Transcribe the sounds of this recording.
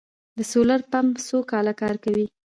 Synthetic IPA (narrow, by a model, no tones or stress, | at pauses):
d̪əsolaɾpamsokɑlakɑɾkawi